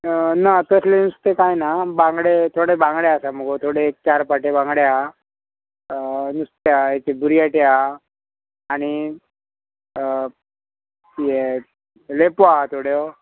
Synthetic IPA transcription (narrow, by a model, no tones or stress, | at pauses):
nat̪əslenust̪ekajnabãŋɡɽet̪ʰoɽebãŋɡɽeasaməɡot̪ʰoɽeːk̚t͡ɕaɾpaʈebãŋɡɽea | nust̪eaet̪eb̪uɾijaʈea | aɽ̃i | t̪ie | lepoaɦat̪ʰoɽjo